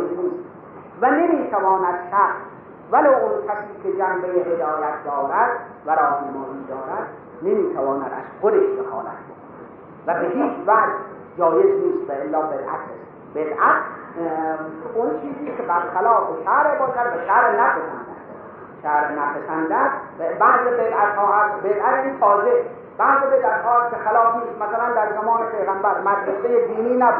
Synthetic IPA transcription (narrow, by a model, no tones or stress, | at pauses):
niːst̪ | væne̞miːt̪ʰævɒːnæd̪ʃæɾ | vælowʔonkʰʲæsiːkʲʰed͡ʒæmbejehed̪ɒːjæt̪ʰd̪ɒːɾæd̪ | væɾɒːhnemɒːʔiːd̪ɒːɾæd̪̥ | nemiːt̪ʰævɒːnæ̰d̪æ̰ʃxod̪eʃdexɑ̰ːlæ̰t̪̚ʰbokʰonæ̰d̪ | væbeɦiːt͡ʃʰvæʔd̪ | d͡ʒɒːjezniːst̪væelːɒːbed̪ʔæ̰t̪ʰes | b̥ed̪ʔæt̪ʰ | ont͡ʃʰiːziːskʲebæɾxælɒːfeʃæɾebɑːkʰæd̪bæʃæɾnæpʰesæ̰nd̪æ̰sd̪e | ʃæɾnæpʰesænd̪æsbæhsebed̪ʔæt̪hɒːæsbed̪ʔæt̪iːnfɒːze | b̥æhzebed̪æt̪hɒːlæskʰʲexalɒːfniːst̪mæsælænd̪æɾzæmɒːnepʰejɣæmbæɾmæd̪ɾesejed̪iːniːnæbuː